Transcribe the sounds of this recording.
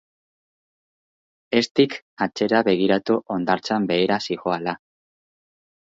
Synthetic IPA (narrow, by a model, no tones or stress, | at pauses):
e̞st̪ik | at͡ʃe̞ɾaβe̞ɣ̞iɾat̪uʔo̞nd̪aɾt͡sambe̞ːɾasiɣo̞ala